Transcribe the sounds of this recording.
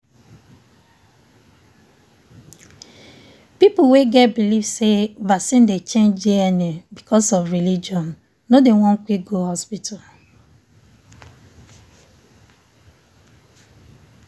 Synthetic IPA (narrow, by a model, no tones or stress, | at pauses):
pipʊweɡɛt̚bilivsevasĩndet͡ʃẽnd͡ʒiɛnebikʰɔsɔvɹilid͡ʒiɔ̃n | nodewɔ̃ŋ̩kʷiɡohɔspitʰal